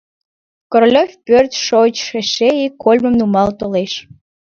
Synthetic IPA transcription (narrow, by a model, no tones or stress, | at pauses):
koɾlʲofʲpørt̪ʃot͡ɕʃeʃeikːolʲməmnumɑlt̪oleʃ